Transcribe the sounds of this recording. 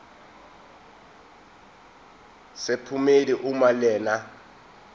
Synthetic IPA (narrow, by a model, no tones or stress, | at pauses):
sɪpʰumeliʔumalɛːna